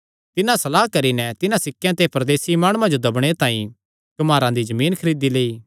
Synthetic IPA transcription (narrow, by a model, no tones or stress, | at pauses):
t̪ɪnãsɐlaːɦkɐɾinɛt̪ɪnãsɪkːjãt̪epɐɾd̪eːsimaːɽ̃ʊːãd͡ʒod̪ɐbɽ̃et̪ãːḭ̃ | kɐmaːɾãd̪izɐmiːnkʰɐɾiːd̪ileːiː